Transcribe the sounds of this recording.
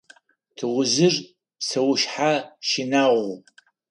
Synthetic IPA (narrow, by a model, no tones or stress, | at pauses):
tʰɨʁʷʊzɨr | sɐwʃħaʃinaʁu